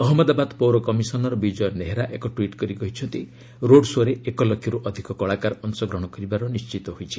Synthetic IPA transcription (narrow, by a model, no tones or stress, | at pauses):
ɔɦɔmɔd̪abad̪powɾɔkɔmisɔnɔɾɔbid͡ʒɔjɔneɦeɾaʔekɔʈwiʈkɔɾikɔɦit͡ʃʰɔnt̪i | ɾoɽsoɾeekɔlɔkʰːjiɾuʔɔd̪ʱikɔkɔɭakaɾɔnsɔɡɾɔɽ̃ɔkɔɾibaɾɔnist͡ʃit̪ɔɦojt͡ʃʰi